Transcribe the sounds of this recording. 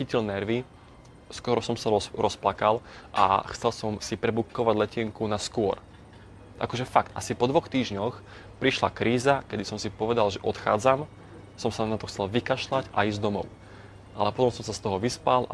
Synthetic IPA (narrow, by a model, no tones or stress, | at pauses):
xicilnɛɾʋi | skɔɾɔsɔmsaɾɔɾɔsplakalʔa̰xt͡sɛlsɔmsipɾɛbukːɔʋaɟlɛciŋkunaskʊɔ̰ɾ | ʔa̰kɔʒɛfakt̪ʔa̰sipɔd̪ʋɔxt̪iːʒɲɔx | pɾiʃla̰kɾiːzakɛd̪isɔmsipɔʋɛd̪alʒɛʔɔt̪xa̰ːd͡zam | sɔmsanat̪ɔxt͡sɛlʋikaʃlaɟa̰iːzd̪ɔmɔ̰ʊ | ʔa̰lɛpɔt̪ɔmsɔmsast̪ɔɦɔʋispalʔa̰